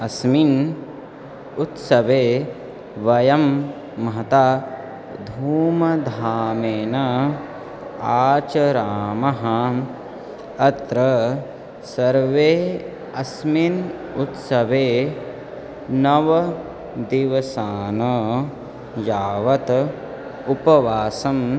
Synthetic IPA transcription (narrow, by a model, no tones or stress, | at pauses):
ɐsmin | ut̪sɐʋeː | ʋɐjɐmː | ɦɐt̪a | d̪ʱuːmɐd̪ʱaːmeːnɐ | aːt͡ʃɐɾaːmɐɦɐ | ɐt̪ɾɐ | sɐɾʋeː | ɐsmin | ut̪sɐʋeː | nɐʋɐ | d̪iʋɐsaːnɐ | jaːʋɐt̪ | upɐʋaːsɐm